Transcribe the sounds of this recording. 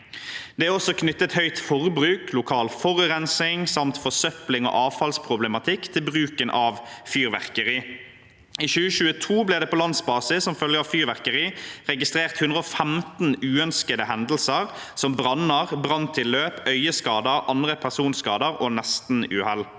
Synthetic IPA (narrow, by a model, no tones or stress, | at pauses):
d̪̥ɛæːɔsɔkʰnʏt̪ːət̪hœʏt̪fɔʁbʁʉːkʰlʊkʰɑːlfɔʁʉʁɛnsɪŋsɑmt̪fɔsœplɪŋo̰ʔɑːʋfɑlspʰʁʊblɛmɑt̪ʰɪkt̪ʰɪlbʁʉːkənʔɑːʋfyːʁʋæ̰ʁkəʁiː | iːçʉːəʃʉːət̪ʰuːblɪːd̪ɛːpʰɔlɑnsbɑːsɪssɔmfœljəɑʋfyːʁʋæʁkəʁiːʁɛɡɪst̪ʁeːʁt̪hʉnd̪ʁəɔfɛmt̪n̩ʉːœnskəd̪əhɛnd̪l̩səʁ | sɔmbʁɑnəʁbʁɑnt̪ʰɪlːøːpœʏəskɑːd̪əʁʔɑnd̪ʁəpʰæʁsuːnskɑːd̪əʁonɛst̪n̩ʉːhɛl